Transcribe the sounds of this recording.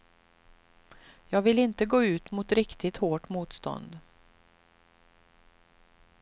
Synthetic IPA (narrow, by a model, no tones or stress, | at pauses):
jɑːɡvɪlɪnt̪əɡoːʉ̟ːt̪mʊt̪ɾɪkt̪ʰɪt̪hoːʈmuːt̪st̪ɔ̰nd̪